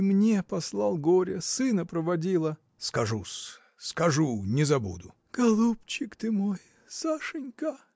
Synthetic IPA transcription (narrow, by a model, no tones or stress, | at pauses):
mnʲepɐslˠalˠɡoɾʲə̰sɨnəpɾəvɐdʲilˠə | skɐʐus | skɐʐunʲɪzɐbṵd̪ʊ | ɡ̥ɐlˠopt͡ɕɪkt̪ɨmoj | saʂɨnʲka